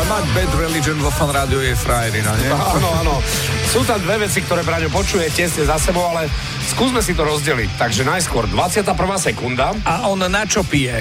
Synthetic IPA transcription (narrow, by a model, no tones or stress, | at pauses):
maɟbɛd̪ɾɛlid͡ʒɛnʋɔfanɾaːd̪iɔjɛfɾajɛɾinaɲɛanɔaːnɔ | suːt̪amd̪ʋɛʋɛt͡sikt̪ɔɾɛːpɾɛɲɔpɔt͡ʃujɛcɛzɲɛzasɛbɔʊalɛ | skuːzmɛsit̪ɔɾɔzɟɛlḭct̪aɡʒɛnajskʊɔɾd̪ʋat͡sɪat̪aːpr̩ʋaːsɛkund̪aaɔnnat͡ʃɔpijɛ